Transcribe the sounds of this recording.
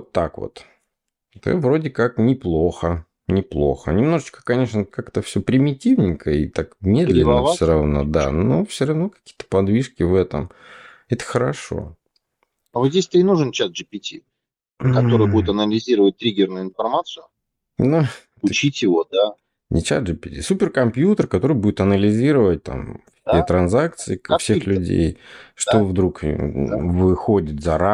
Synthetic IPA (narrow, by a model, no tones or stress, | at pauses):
ot̪ːa̰kvo̰t̪ | t̪ɨ̰vɾo̞dʲɪkaknʲɪplˠoxə | nʲɪplˠo̞̰xə̰nʲɪmno̞ʐɨt͡ɕkə̥kɐnʲe̞ʂnəkakt̪əfsʲɵpɾʲɪmʲɪtʲivnʲɪjkəḭt̪akmʲe̞d̪lʲɪnːəvfsʲoɾɐvno̞̰d̪a̰nofsʲoɾɐvno̞kɐ̥kʲi̥jət̪ə̥pɐd̪vʲiʂkʲɪvɛt̪ə̰m | ɛt̪ə̥xəɾɐʂo̞̰ | avozʲdʲesʲt̪ɨɪnuʐɨnt͡ɕat̪̚ʐɨpʲɪtʲi | kɐt̪oɾɨjəbudʲɪt̪ɐnəlʲɪzʲiɾəvət̚ʲt̪ɾʲiɡʲɪrnʊjʊɪnfɐrmat̪sɨjʊ | nu | ʊt͡ɕitʲjɪvod̪a | nʲʔɪt͡ɕa̰t̪ʐɨpʲɪtʲḭsupʲɪrkɐmpʲjut̪ərkɐt̪o̞ɾɨɪjbudʲɪt̪ɐnəlʲɪzʲiɾəvət̚ʲt̪a̰mkkit̪ət̪ɾɐnzak̚t̪sɨɪfsʲexlʲʉdʲḛjʂt̪ovd̪ɾuk | vɨxodʲɪt̪zɐɾa